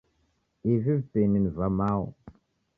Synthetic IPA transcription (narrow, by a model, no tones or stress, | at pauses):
ivivpeninvamaw